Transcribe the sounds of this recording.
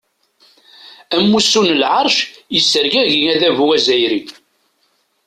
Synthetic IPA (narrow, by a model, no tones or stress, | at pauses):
æmːusːunlʕɑɾˤʃjəsːəɾɡæʝiŋæðævuæzæjɾi